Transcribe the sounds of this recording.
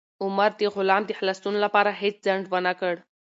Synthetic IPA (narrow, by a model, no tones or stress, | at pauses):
uməɾt̪iɣulamt̪ihlast̪unlapaɾaɦet͡sd͡zəɳɖʋənakəɽ